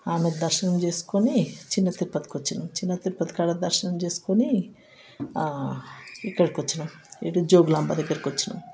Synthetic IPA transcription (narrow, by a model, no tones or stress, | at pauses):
aːned̪ɐɾʃɐnɐmt͡ʃe̞ːsu̥konit͡ʃinːɐt̪iɾpɐt̪i̥kot͡ʃːinɐmt͡ʃinːɐt̪iɾpɐt̪i̥kaːɽɐd̪ɐɾʃɐnɐmd͡ʒe̞ːsu̥koni | ikːɐɽɐkot͡ʃːinɐmeːɽud͡ʒoːɡlaːmbɐ̰d̪ɐɡːɐɾɐkot͡ʃːinɐ̰m